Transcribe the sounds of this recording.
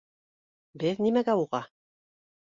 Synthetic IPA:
bɘðnimæɡæuʁɑ

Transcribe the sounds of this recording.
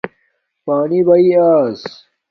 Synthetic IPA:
paːnibɐiaːs

